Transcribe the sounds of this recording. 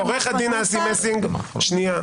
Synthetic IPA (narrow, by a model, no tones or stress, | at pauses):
oʁeχad̪inaːsimesiŋɡʃnia